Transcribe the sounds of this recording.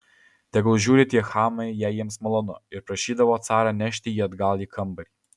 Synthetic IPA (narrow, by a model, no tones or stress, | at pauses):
t̪ɛɡɔlˠʒuɾit̪jɛxamɐjɛjɛmsmɔlˠɔnɔɛɾpɾɛʃid̪ɐvɔt̪saɾanɛʃt̪ijɛd̪ɡalʲikʰəmbəɾi